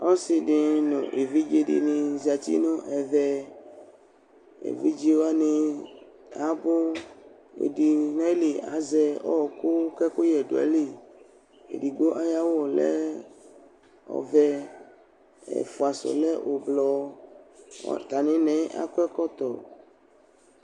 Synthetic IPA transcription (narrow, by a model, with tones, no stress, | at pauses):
ɔ˦si˨ɖɪ˨nõ̰˨ʔe˨vi˦d͡ʒe˦ɖḭ˦˨nĩ˨zi˨a˨t̪ḭ˦nõ˦ʔɛ˨vɛ˦ | ḛ˨vi˦d͡ʒi˦wa˦nẽ˨ | a˨bo˦ | ḛ˨di˨nɔ̃˦e˦li˨a̰˨zɛ˦ɔ˦˨ko˦kɛ˦ko˦jɛ˨do̰˨a̰˨li˦˨ | ḛ˨di˨ɡ͡bo˦ʔa˦ja˦wɔ˨lɛ̰˦ | ɔ̰˨vɛ˦ | ɛ̰˨fo˨a˨sɔ̰˨lɛ˦ʔo˨blɔ˨˦ | t̪a˨nẽ˦nɛ̃˦a̰˦kɛ˦kɔ˦t̪ɔ˨